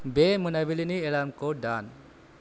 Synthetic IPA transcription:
bemənabilinielamkoɖan

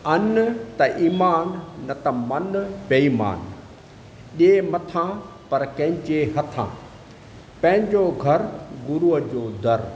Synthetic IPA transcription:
ɐnt̪ɐʔiːmaːnːɐt̪ɐmɐnpeiːma̰ːn | ɗemɐt̪ʰã | pɐɾkɐ̃ɦɪ̃ɲt͡ɕeɦɐt̪ʰã̰ː | pɐ̃ɦɪ̃ɲd͡ʑoɡʱɐɾɡʊɾuɦəd͡ʑoːd̪ɐɾ

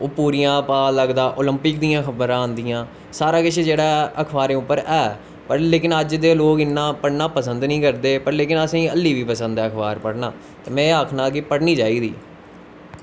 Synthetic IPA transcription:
oːpuːɾijãːpaːləɡd̪aːʔoːləmpɪkd̪ijãːkʰəbɾãːnd̪ijãː | saːɾaːkɪʃed͡ʒeːɽaːəkʰbaːɾẽːʊpːəɾɛː | pəɾleːkɪnəd͡ʒd̪eːloːkɪnːãːpəɽnaːpəsənd̪nĩːkəɾd̪eːpəɾleːkɪnəsĩːəlːiːʋiːpəsə̃nd̪ɛːəkʰbaːɾpəɽnaː | t̪eːmɛ̃ːaːkʰnaːɡɪpəɽniːd͡ʒaːiːd̪ḭː

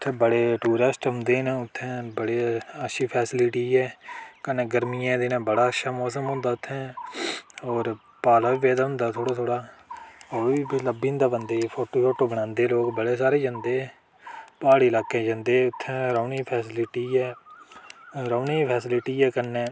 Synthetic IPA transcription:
ʊt̪ʰːẽːbəɽeːʈuːɾəsʈɦʊ̃nd̪eːnẽːʊt̪ʰːẽːbəɽeːəʃiːpʰɛːsɪlɪʈiːɛːkənːẽːɡəɾmijãːd̪ɪnẽːbəɽaːəʃaːmɔːs̬əmɦʊ̃ːnd̪aːʊt̪ʰːẽː | ɔːɾ | paːlaːbiːʋeːd̪aːɦʊ̃nd̪aːt̪ʰoːɽaːt̪ʰoːɽaː | iːbiləbĩːnd̪aːbənd̪eːpʰoːʈoːpʰoːʈoːbəɽ̃ãːnd̪eːloːkbəɽeːsaːɾeːd͡ʒə̃nd̪eː | paːɽiːlaːkẽːd͡ʒə̃nd̪eːʊt̪ʰːẽːɾəːniːpʰɛːsɪlɪʈiːɛː | ɾəːniːpʰɛːsɪlɪʈiːɛːkənːẽː

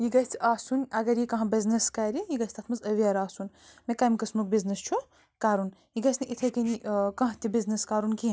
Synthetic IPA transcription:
jiɡɐt͡s̪ʰaːsunɐɡɐɾjikɐ̃ɦãbiznɐskɐːɾijiɡɐsʲt̪ɐt̪ʰmɐzɐʋiaːɾaːsun | mẽkaːmkɐsmuk̚biznɐst͡ʃʰu | kaːɾunjiɡɐsnɐʔit̪ʰɐkɐnikɐ̃ɦt̪ibiznɐskaːɾunki

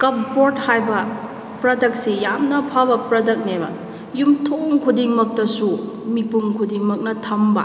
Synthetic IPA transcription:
kɐp̚boɾd̚hajbɐ | pɾɐdɐk̚sejamnɐpʰabɐpɾɐdɐk̚nebɐ̰ | jumtʰoŋkʰudiŋmɐk̚tɐsu | mipuŋkʰudiŋmɐk̚nɐtʰɐmbɐ̰

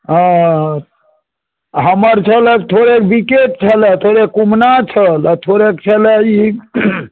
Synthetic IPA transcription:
ɦəməɾt͡ʃʰəlek̚t̪ʰoɾekbikeʈ̚t͡ʃʰəlɛt̪ʰoɾekumnat͡ʃʰəlt̪ʰoɾekt͡ʃʰəlɛi

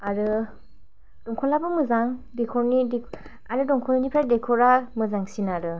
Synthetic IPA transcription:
aɾɯ | d̥ɔŋkʰɔlabɯmɯzaŋdekʰɔɾnide | aɾɯdɔŋkʰɔninipʰɾajdekʰɔɾamɯzaŋsinaɾɯ

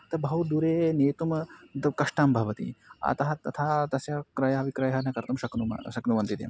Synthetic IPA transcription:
t̪ɐbɐɦut̪d̪uɾeːneːt̪umd̪ɐkɐʂʈaːmbʱɐʋɐt̪ḭɐ̰t̪ɐɦɐt̪ɐt̪ʰaːt̪ɐsjɐkɾɐjɐɐʋikɾɐjɦɐnɐkɐɾt̪ɐmʃɐknuɐ̰ʃɐknuʋɐnt̪id̪ḛm

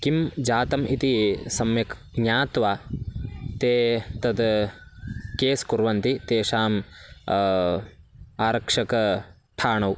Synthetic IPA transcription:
kimd͡ʒaːt̪ɐmʔit̪isɐmjɐknaːt̪ʋaː | t̪eːt̪ɐd̪ | keːskuɾʋɐnt̪it̪eːʃaːm | aːɾɐkʂɐkɐ | ʈʰaːɳɐw

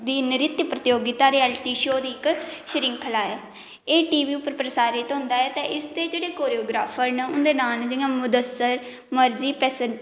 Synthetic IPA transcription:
d̪iːnɪɾɪt̪jpɾət̪ɪjoːɡɪt̪aːɾiːɛːlʈiːʃoːd̪iːɪkʃəɾiːŋkʰəlaːɛː | eːʈiːʋiːʊpːəɾpɾəsaːɾɪt̪ɦʊ̃nd̪aːɛːt̪ẽːʔɪst̪eːd͡ʒeːɽeːkoːɾioːɡɾaːpʰəɾnəʊnd̪eːnaːld͡ʒɪjãːmʊd̪əsːəɾ | məɾziːpɛːsən

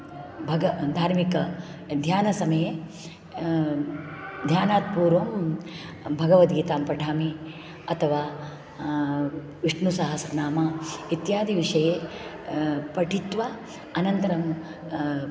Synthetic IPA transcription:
bʱɐɡɐd̪ʱaːɾmikɐ | d̪ʱjaːnɐsɐmɐje | d̪ʱjaːnaːt̪̚puːɾʋɐm | bʱɐɡɐʋɐt̪̚ɡiːt̪aːmpɾɐʈʰaːmi | ɐt̪ʰɐʋaː | ʋiʂɳusɐɦɐsɐnaːmɐit̪jaːd̪ʱiʋiʂɐjeː | pɐʈit̪ʋa | ɐnɐnt̪ɐɾɐm

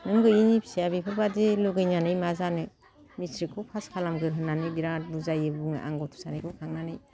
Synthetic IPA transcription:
nɯŋɡɯjinipʰi̥sijabipʰɯɾbadeluɡɯjnanɯjmazanɯ | misɾikʰɯpʰaskʰalamɡɯɾɦɯnːanɯjbiɾabuzajɯbuŋɯ̰ʔa̰ŋɡɔtʰu̥sanɯjkʰɯkʰaŋnanɯj

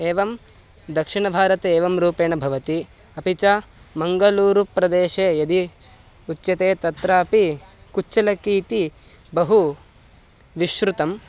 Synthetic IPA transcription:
eːʋɐm | d̪ɐkʂiɳɐbʱaːɾɐt̪eːʋɐmɾuːpeːɳɐbʱɐʋɐt̪i | ɐpit͡ʃɐmɐŋɡɐluːɾupɾɐd̪eːʃeːjɐd̪i | ut̪ːjɐt̪eːt̪ɐt̪ɾaːpikut͡ʃt͡ʃːɐlɐkiːt̪i | bɐɦu | ʋiʃɾut̪ɐm

